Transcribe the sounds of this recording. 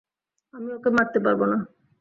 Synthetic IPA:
amiokemat̪ːepaɾbona

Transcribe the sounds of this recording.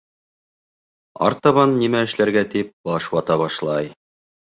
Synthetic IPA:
ɑ̰ɾt̪ɑβɑnːimæɘ̆ʃlæɾɡæt̪ip̚b̥ɑʃwɑt̪ɑβɑʃlˠɑj

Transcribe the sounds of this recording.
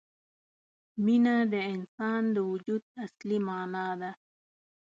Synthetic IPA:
minad̪əɪnsɑːnd̪əwud͡ʒud̪̚aslimɑːnɑd̪a

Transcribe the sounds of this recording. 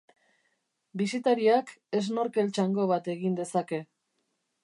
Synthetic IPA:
bisit̪aɾiake̞z̬no̞ɾke̞lt͡ʃaŋɡo̞βat̪e̞ɣind̪e̞sake̞

